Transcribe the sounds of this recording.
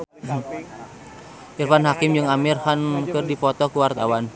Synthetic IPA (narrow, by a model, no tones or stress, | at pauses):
ʔirfanɦakɪmd͡ʒɨŋamirhankɨrdipɔt̪ɔkuwart̪awan